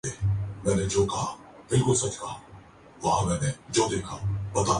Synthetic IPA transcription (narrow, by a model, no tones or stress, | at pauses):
eːmɛ̃ːnẽd͡ʑoːkɐɦa | b̥ɪlkʊlsɐt͡ʃkaa | ʋɐɦãmɛ̃ːnẽd͡ʑoːd̪eːkʰãbɐt̪a